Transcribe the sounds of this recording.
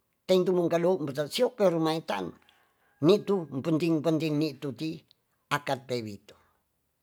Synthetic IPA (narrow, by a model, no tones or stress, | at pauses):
t̪eint̪umuŋkalouʔmpət̪asiopeɾumait̪a̰nː | it̪umpənt̪iŋmpənt̪iŋniʔt̪ut̪i | akat̪̚peβit̪o̥